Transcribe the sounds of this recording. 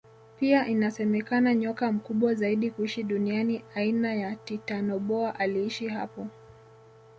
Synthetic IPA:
piaʔinasɛmɛkanaɲɔkam̩kuɓwazaiɗikuiʃiɗunianiainajatitanɔɓɔaʔaliiʃiɦa̰pɔ

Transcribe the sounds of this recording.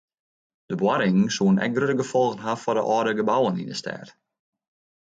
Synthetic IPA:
d̥əbwaɾɪŋŋ̩suənɛ̰k̚ɡrøtəɡəfɔlˠɣnɦafɔdə̰ʔɔːdəɡəbawənḭndəstɛ̰ːt

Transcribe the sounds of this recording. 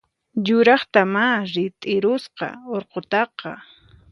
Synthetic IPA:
jʊɾɑχt̪amaɾɪt̪ʼɪɾʊsqɑ̰oɾqot̪ɑqɑ̰

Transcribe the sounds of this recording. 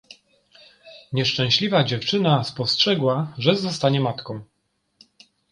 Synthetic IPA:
ɲɛʂt͡ʂɛ̃w̃ɕlʲivad͡ʑɛft͡ʂɘnaspɔstʂɛɡwaʐɛzɔst̪aɲɛmat̪kɔ̃w̃

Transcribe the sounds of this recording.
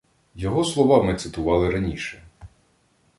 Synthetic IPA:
jɔɦɔslˠɔʋɑmɪt̪sɪt̪ʊʋɑlˠɪɾɐnʲiʃɛ

